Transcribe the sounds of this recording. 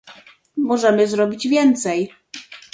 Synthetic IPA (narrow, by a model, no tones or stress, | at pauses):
mɔʐɛmɘzɾɔbʲid͡ʑvʲjɛnt̪sɛj